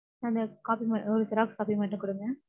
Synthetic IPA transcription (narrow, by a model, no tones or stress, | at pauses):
nːɐnd̪ɐkaːpimɐɔɾɯsɐɾaːkskaːpimɐʈːɯ̃kʊɽɯŋɡɛ̃ː